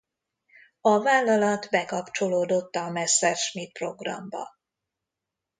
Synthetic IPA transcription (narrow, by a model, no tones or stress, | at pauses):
ɒvaːlːɒlɒt̪bɛkɒpt͡ʃo̞loːd̪o̞t̪ːɒmɛsːɛrʃmit̪̚pro̞ɡrɒ̰mbɒ̰